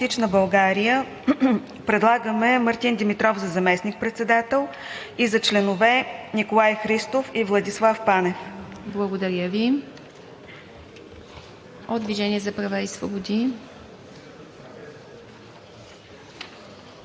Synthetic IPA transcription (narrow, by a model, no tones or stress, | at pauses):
t̪it͡ʃnəbɐlˠɡaɾijə | pɾɛd̪lˠaɡəmɛmɐɾt̪ind̪imit̪ɾɔfzɐzɐmɛsnik̚pɾɛt̪sɛd̪at̪ɛlˠ | izɐt͡ʃlɛnovɛnikolˠajxɾist̪ofivlˠɐd̪islˠafpanɛfblˠəɡod̪ɐɾʲjəvi | od̪d̪viʒɛniɛzɐpɾɐvaisvobod̪i